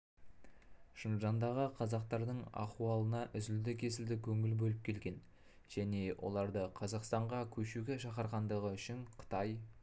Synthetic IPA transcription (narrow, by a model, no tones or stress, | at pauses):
ʃənʒɑnd̪ɑʁəqʰɑzɑqt̪ɑɾd̪əɴɑ̰quɑlˠənɑʔʏzɪld̪ɪkʲʰe̞sɪld̪ɪkʲʰɵŋɪlbɵlɪp̚kʲʰe̞lɡʲe̞n | ʒ̥æne̞wʔo̞̰lˠɑɾd̪əqʰɑzɑqst̪ɑɴʁɑkʲʰɵʃuɡʲe̞ʃɑqəɾʁɑnd̪əʁəʏʃɪɴqʰə̥t̪ɑj